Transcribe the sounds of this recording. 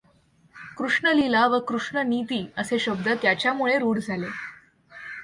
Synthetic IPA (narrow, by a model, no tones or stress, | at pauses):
kɾuʂɳəlilaʋəkɾuʂɳənit̪iːəseɕəb̚d̪ət̪jat͡ɕjamuɭeɾuːɽd͡zʱale